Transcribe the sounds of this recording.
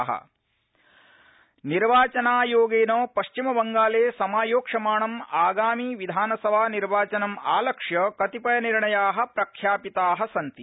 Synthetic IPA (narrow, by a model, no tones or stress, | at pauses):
ɦɐ̰ | niɾʋaːt͡ʃɐnaːjoːɡeːnoːpɐʃt͡ʃimɐbɐŋɡaːleːsɐmaːjoːkʂɐmaːɳɐmaːɡaːmiːʋid̪ʱaːnɐsɐʋaːniɾʋaːt͡ʃɐnɐma̰ːlɐkʂjɐkɐt̪ipɐjɐniɾɳɐjaːɦɐ̆pɾɐkʰjaːpit̪aːɦɐ̆sɐnt̪i